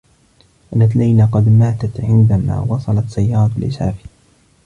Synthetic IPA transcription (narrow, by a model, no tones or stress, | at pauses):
ʔanːat̪lajlaqɑd̪maːt̪at̪ʕɪnd̪ama̰ːwɑsˤɑlɑt̪sajːɑːɾˤɑlʔɪ̰sa̰ːfi̥